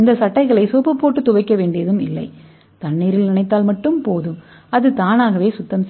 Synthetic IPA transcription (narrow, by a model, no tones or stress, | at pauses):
ɪnd̪ɐsɐʈːɐɪɣɐɭɐɪsoːpːɐpːoːʈːɯt̪ʊʋɐɪkːɐʋeːɳɖɪjɐðɯmɪ̰lːɐɪ | t̪ɐɳːiːɾɪlnɪɳɐɪt̪ːaːlmɐʈːɯmpoːðɯ | ɐðɯt̪aːnaːɣɐʋeːsʊt̪ːɐms